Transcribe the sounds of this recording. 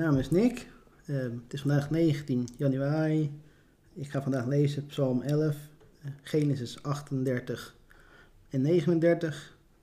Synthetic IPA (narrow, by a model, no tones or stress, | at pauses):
naːmɪsnɪk | tɪsfɑndaːxneːɣəntinjɑnyaːri | ɪkχaːfɑndaːxlejzəpsɑlˠmɛləf | χeːnəs̬ɪsɑxtəndɛɹtəx | ɛnːeːχənəndɛɹtəx